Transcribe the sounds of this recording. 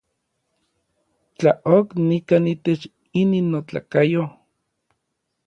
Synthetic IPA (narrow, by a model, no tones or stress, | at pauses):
t͡ɬaʔoknikaːnit̪et͡ʃ | ininːot͡ɬa̰kajo